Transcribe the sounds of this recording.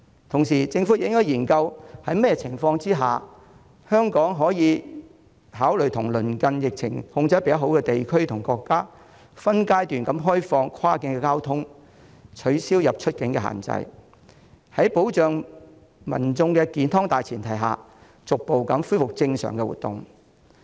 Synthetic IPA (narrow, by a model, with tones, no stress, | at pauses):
t̪ʰʊ˨˩ŋsiː˨˩t͡sɪ˧ŋfuː˨˥jɪ˨˥ŋːɔː˥jiː˨˩nkɐ˧whɐ˨˥jmɛ˥jɛ˧t͡sʰɪ˨˩ŋfɔː˧ŋt͡siː˥ɦaː˨ | hœː˥ŋkɔː˨˥ŋɦɔː˨˥jiː˨˧ | ɦaː˨˥wlɵ˨˩ɥt̪ʰʊ˨˩ŋlɵ˨˩nkɐ˧njɪ˨k̚t͡sʰɪ̰˨˩ŋhʊ˧ŋt͡sɐ˧˥pe˨˧jɐ˨˥ɦo˨˥wkɛ˧t̪e˨jkʰɵ˥ɥt̪ʰʊ˨˩ŋkɔː˧kːaː˥ | fɐ˥nkaː˥jt̪yː˨nkɐ˨˥mɦɔː˥jfɔː˧ŋkʰwaː˥kɪ˧˥ŋkɛː˧kaː˥wt̪ʰʊ˥ŋ | t͡ʃʰɵ˨˥ɥsiː˥wjɐ˨p̚t͡ʃʰɵ˥t̚kɪ˨˥ŋkɛː˧ha̰ː˨nt͡sɐ̰˧j | hɐ˨˥jpo˨˥wt͡ʃœː˨ŋ | mɐ̰˨˩nt͡sʊ˧ŋkɛ˧kiː˨˥nt̪ʰɔː˥ŋt̪aː˨jt͡sʰiː˨˩nt̪ʰɐ˨˩jɦa̰ː˨ | t͡sʊ˨k̚po˨wkɐ˨˥mfuː˥jfʊ˨k̚t͡sɪ˧ŋsœ̰ː˨˩ŋkɛ˧wṵ˨t̚t̪ʊ̰˨ŋ